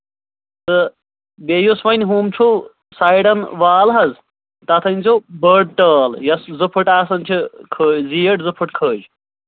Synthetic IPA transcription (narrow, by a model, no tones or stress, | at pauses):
t̪ɨ | bejusʋɐnʲɦuːmt͡ʃʰu | sajɽɐnʋaːlɦɐz | t̪ɐt̪ʰɐnʲt͡sʰubəɖʈɐːljɐszɨpʰɨʈaːsɐnt͡ʃʰikʰəːzijɐʈzɨpʰɨʈkʰəːd͡ʒ